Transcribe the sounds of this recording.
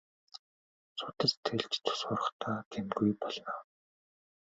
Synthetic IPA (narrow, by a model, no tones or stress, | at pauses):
sʊt̪ə̆t͡ɕt̪ʰeɮt͡ɕt͡s̪ʰʊ̥sʊːrə̆χt̪ʰaːk̪ʰemɡujpɔɮnaː